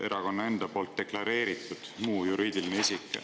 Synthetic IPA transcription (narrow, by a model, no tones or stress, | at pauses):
ʔe̞ɾɑko̞nːɑe̞nd̪̥ɑpo̞ːlt̪̚d̪̥e̞klɑɾe̞ːɾit̪ːˑud̪̥muːjuɾiːd̪̥ilineisikːˑ